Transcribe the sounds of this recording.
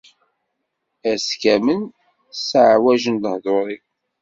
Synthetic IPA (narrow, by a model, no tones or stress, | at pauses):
æskæmən | səʕwæʒənd̪əhðoɾˤi